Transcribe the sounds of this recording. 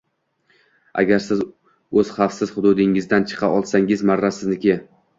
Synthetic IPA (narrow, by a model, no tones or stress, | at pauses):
a̰ɡʲaɾsɪz | ɵz̥χɑfsɪz̥χʊd̪ʊd̪ɪŋɪzd̪ant͡ʃʰɨ̥qʰɑʔɒlˠsaŋɪzmaɾːasɪznɪkʲɪ